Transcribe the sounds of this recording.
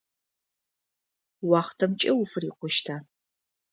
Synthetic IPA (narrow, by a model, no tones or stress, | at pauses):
wɑːχtʰɐmt͡ʃʼɐwʊfɨriːqʷʊʃtʰaː